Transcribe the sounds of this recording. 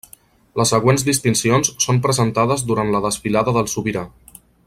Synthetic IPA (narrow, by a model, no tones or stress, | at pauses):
ləsːəɣwenzd̪ist̪insionsːompɾəzənt̪aðəzd̪uɾant̪ləðəsfilaðəðəlˠsuβiɾa